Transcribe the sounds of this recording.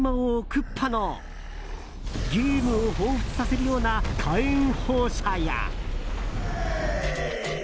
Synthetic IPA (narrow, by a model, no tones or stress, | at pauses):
mãokɯ̟pʰːano | ɡʲiɾʲiːmɯ̟ohoːɸɯ̟̥t͡sɨ̥sase̞ɾɯjo̞ːnakʰaĩŋ̃hoːɕaja̰